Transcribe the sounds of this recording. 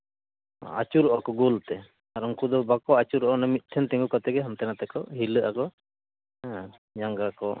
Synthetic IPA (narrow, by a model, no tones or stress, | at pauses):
a̰t͡ʃuɾɔʔɔkɔɡolt̪ɛ | aɾɔŋkud̪ɔbakɔat͡ʃuɾɔʔɔnamit̪̚ˀʈʰɛnt̪ɛ̃ŋɡukat̪ɛɡɛɦamt̪ɛnat̪ɛkɔɦiləʔakɔ | d͡ʒaŋɡakɔ